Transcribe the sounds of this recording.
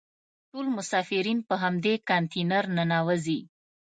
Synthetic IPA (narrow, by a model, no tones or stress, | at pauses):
ʈolmʊsɑfɪɾinpəɦamd̪ekant̪inaɾnanɑwəzi